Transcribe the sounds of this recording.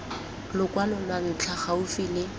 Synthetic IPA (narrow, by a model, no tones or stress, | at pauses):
lʊkʼwanɔnan̩t͡ɬʰaχaʊfilɪ